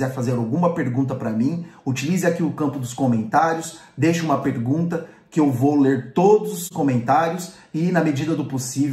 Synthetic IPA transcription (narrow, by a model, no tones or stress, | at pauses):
zɛɾfazeɾawɡũmɐpeɾɡũnt̪ɐpɾɐmĩut͡ʃilizɪakiʊkɐ̃mpʊd̪ʊskomẽnt̪aɾjʊs | d̪ejʃʊũmɐpeɾɡũnt̪ɐ | kɪewvowleɾt̪od̪ʊzʊskõmẽnt̪aɾjʊs | ɪnɐmed͡ʒid̪ɐd̪ʊposiv